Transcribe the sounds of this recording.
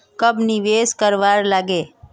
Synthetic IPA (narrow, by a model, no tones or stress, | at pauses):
kəbniʋeskəɾʋaɾlaːɡeː